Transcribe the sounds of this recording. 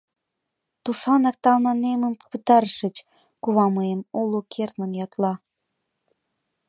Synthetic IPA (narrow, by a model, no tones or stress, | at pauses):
t̪uʃɑnɑk̚t̪ɑlmɑneməmpət̪ɑɾʃə̆t͡ɕ | kuβɑməemulukʰert̪mənjɑt̪lɑ